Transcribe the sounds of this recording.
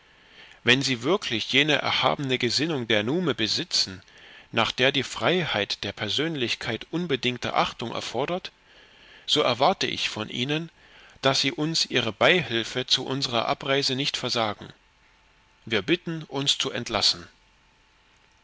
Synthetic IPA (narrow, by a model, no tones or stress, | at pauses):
vɛnziːvɪɐkʰlɪçjeːnəʔɛ̰ɐha̰ːbənəɡəzɪnʊŋdeːɐnuːməbəzɪt͡sn̩naːχd̥eːɐdiːfʁ̥aɪhaɪtd̥eːɐpʰɛɐzøːnlɪçkʰaɪtʔʊnbədɪŋk̚tə̰ʔaχtʊŋʔɛ̰ɐfɔɐdɐt | z̥oːʔɛɐvaɐtəʔɪ̰çfɔnʔḭːnən | d̥asz̥iːʔʊnsʔiːʁ̞əbaɪhɪlfət͡suʔʊnzəʁɐ̰ʔa̰pʁ̥aɪzənɪçtfɛɐzaːɡŋ̩ | viːɐbɪtn̩ʔʊnst͡suʔɛ̰ntlasn̩